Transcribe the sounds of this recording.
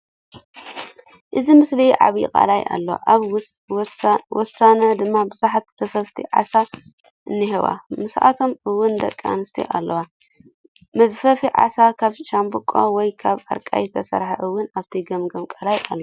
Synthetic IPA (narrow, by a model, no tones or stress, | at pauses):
ʔɨzimɨsliʕa̰βjikʼa̰laja̰lːɐwa̰ʔβ | wʔɔsanɐd̪ɨmːabɨzaħat̪̚sɐfɐft̪ʰḭʕa̰sa | ʔɨnːihiβa̰mɨsʔa̰t̪ʰo̞mɨwːʊnd̪ɐkʼːa̰nɨst̪ʰḭʔa̰lːɐwa | mɐzfɐfiʕa̰sakʰaβʃambɨkʼo̰wɔjkʰaβa̰ɾkʼajt̪ʰɐsɐ̰ɾħaʔɨwːʊnaβt̪ʰiɡɐmɡɐmkʼalajalːo